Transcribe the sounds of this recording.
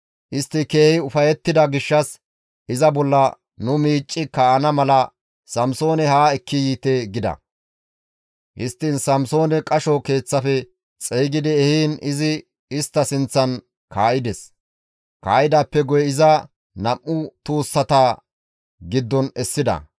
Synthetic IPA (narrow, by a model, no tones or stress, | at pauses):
ʔɪst̪ːɪke̞ːhɪʊfɐjɛt̪ːɪd̪ɐɡɪʃːɐs | ɪzɐbɔlːɐ | nʊmiːt͡ʃʼːɪkɐɐnɐmɐlɐ | sɐmso̞ːnɛhaːɛkːɪjiːt̪ɛɡɪd̪ɐ̰ | hɪst̪ːɪnsɐmso̞ːnɛkʼɐʃɔke̞ːt͡sːɐfɛ | t͡sʼɛjɡɪd̪ɪɛhiːnɪzɪ | ɪst̪ːɐsɪnt͡sːɐn | kaːʔɪd̪ɛs | kaːʔɪd̪aːpːɛɡɔjɛɪzɐ | nɐmʔːʊt̪uːsːɐt̪ɐ | ɡɪd̪ːɔnɛsːɪd̪ɐ̰